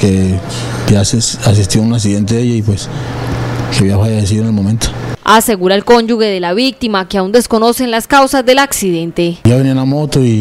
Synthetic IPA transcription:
ke | basas̬ist̪jounas̬iðe̞nt̪eðejaipwes | seβiafajeɾes̬iðoenelmo̞mẽnt̪o̥ase̞ɣuɾaelko̞ɲd͡ʒuɣe̞ðe̞laβik̚t̪imakeaund̪e̞sko̞no̞se̞nlaskawsazd̪e̞laksiðe̞nt̪e̞ʝaβenianamot̪oi

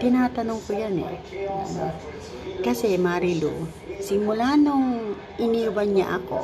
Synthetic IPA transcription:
t̪ɪnaːt̪ɐnoŋkojanɛ̰ʔɐ̰no̰ | kɐsɛmaːɾilṵ | sɪmʊlanoŋ | ʔɪniubaɲɲa̰ʔɐko̰

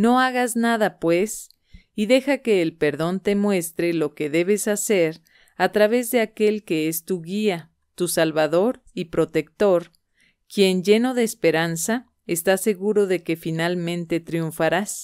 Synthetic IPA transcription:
no̞aɣaznaðapwe̞s | iðe̞xake̞ːlpe̞ɾðo̞nt̪e̞mwe̞st̪ɾe̞lo̞ke̞ðe̞βe̞sase̞ɾ | at̪ɾaβe̞zðe̞ake̞lke̞est̪uɣia | t̪usalβaðo̞ɾ | ipɾo̞t̪e̞k̚t̪o̞ɾ | kje̞nd͡ʒe̞no̞ðe̞ːspe̞ɾansa | est̪ase̞ɣuɾo̞ðe̞ke̞finalmẽ̞nt̪e̞t̪ɾiuɱfaɾas

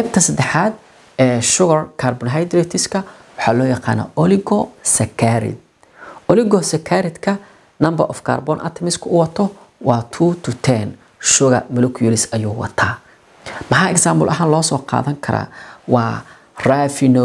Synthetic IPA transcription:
ɛb̚t̪ʰɐsɐd̪ɛħaːd̪̚ | ɛːʃʊɣɐrkʰaːrbɔnɦajd̪ɾɛt̪ʰɪskʰɐ | wɑħɑːlɔːjɑqɑ̰ːnɐ̰ːɔlɪɡɔsɐkʰaɾɪ̰d̪̚ | ɔlɪɣɔsɐkʰaːɾɪd̪kʰɐ | nɐmbɐʔɔfkʰa̰ːrbɔnʔa̰t̪ʰɛmɪskʰʊʊwɑt̪ʰɔ | wɑːt̪ʰuːt̪ʰʊt̪ʰɛn | ʃʊɣɐ̰mɐlʊkʰjɛlɪsɐjuːwɑ̰t̪ʰaː | mɐħaɛksaːmbʊ̰lʔɐɦaːnlɔːsɔːqɑ̰ːðɐŋkʰɐɾa̰ːwɑː | rafɪnɔ

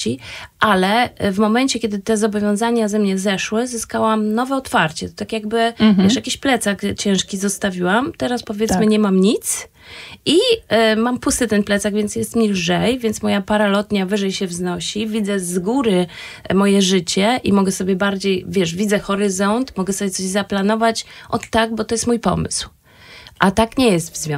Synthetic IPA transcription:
iʔalɛvmɔmɛɲt͡ɕɛkʲɛd̪ɘt̪ɛzɔbɔvʲjɔ̃w̃zaɲazɛmɲɛzɛʂwɘzɘskawamnɔvɛɔt̪faɾt͡ɕɛt̪ɔt̪akʲjaɡbɘvɛʂjakʲiɕplɛt̪sakt͡ɕɛ̃w̃ʂkʲizɔst̪avʲiwamt̪ɛɾaspɔvʲjɛt̪mɘɲɛmamɲit̪s | imampust̪ɘt̪ɛnplɛt̪saɡvʲjɛntsjɛst̪mʲilʐɛjvʲjɛnt̪smɔjapaɾalɔt̪ɲavɘʐɛjɕɛvznɔɕivʲid̪zɛzɡuɾɘ | mɔjɛʐɘt͡ɕɛʔimɔɡɛsɔbʲjɛbaɾd͡ʑejvʲjɛʂvʲid̪zɛxɔɾɘzɔnt̪mɔɡɛsɔbʲjɛt̪ɔʑzaplanɔvat͡ɕʔɔt̪ːaɡ̚bɔt̪ɔjɛst̪mujpɔ̰mɘ̰sw | ʔat̪akɲɛjɛst̪vzvʲjɔ̃

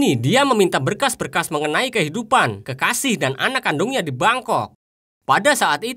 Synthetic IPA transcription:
nidiaməmint̪abərkasbərkasməŋənaikəɦidupankəkasɪhdanʔa̰nakːandʊŋɲadibaŋkɔk̚ | padasaʔat̪i

